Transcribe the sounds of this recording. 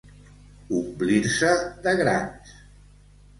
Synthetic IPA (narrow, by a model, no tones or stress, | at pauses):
umbliɾsəðəɣɾas